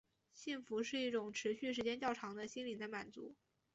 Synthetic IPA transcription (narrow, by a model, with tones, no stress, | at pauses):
ɕi˥˩nfu˧˥ʂɻ̩˥˧i˥˩ʈ͡ʂʊ˨˩ŋʈ͡ʂʰɻ̩˧˥ɕy˥˩ʂ̬ɻ̩˧˥t͡ɕjɛ˥nt͡ɕjɑ˥˩ʊʈ͡ʂʰɑ˧˥ŋd̪ə˧ɕi˥nli˨˩d̪ə˦ma˨˩nt͡sṵ˧˥